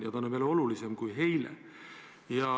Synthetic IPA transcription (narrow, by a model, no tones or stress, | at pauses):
jɑt̪ɑnːomelo̞lulisemkujɦe̞jlḛ | jɑ